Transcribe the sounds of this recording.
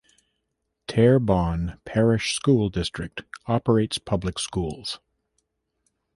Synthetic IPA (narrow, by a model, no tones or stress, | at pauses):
tʰɛɹbɑ̃npʰɛɹɪʃskulˠdɪstɹ̥ɨk̚tɑpə˞eɪtspʰʌblɨkskulˠz̥